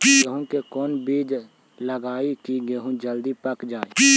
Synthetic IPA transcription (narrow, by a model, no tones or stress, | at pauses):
teɦũkekɔːnbiːd͡ʒ | ləɡaːikiɡeɦũd͡ʒəld̪ipəkd͡ʒaːe